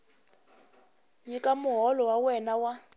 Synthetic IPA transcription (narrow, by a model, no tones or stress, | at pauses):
ɲikʼamʊɦɔlɔwawɛnawa